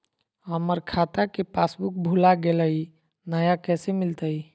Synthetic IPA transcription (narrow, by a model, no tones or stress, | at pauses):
ɦəməɾkʰat̪akepasbuk̚bʱulaɡeləi | nəjakɛsemilt̪əi